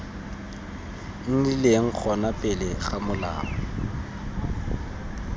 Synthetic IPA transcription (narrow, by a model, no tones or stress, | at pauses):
n̩dileŋ̩k͡xʰɔnapʼɛlɛɣamʊla̰ːɔ